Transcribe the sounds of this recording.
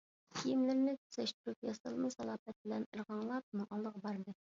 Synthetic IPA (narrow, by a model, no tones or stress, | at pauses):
kʲʰijɪmlɪɾnɪt̪ʰy̥sɛʃt̪yɾypjɑsɑlˠmɨsɑlˠɑpɛt̪̚bɪlɛniɾʁɑɴlˠɑp̚nɨŋʔɑlˠːəʁbɑɾd̪ɨ